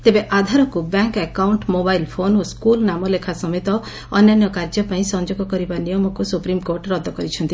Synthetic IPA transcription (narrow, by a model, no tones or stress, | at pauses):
t̪ebeʔad̪ʱaɾɔkubɛŋkɛkawɳʈmobajlpʰonoskulnamɔlekʰasɔmet̪ɔ | ɔnːjanjɔkaɾd͡ʒɔpaĩsɔnd͡ʒoɡɔkɔɾibanijɔmɔkusupɾimkoɾʈɾɔd̪ʱɔkɔɾit͡ʃʰɔnt̪i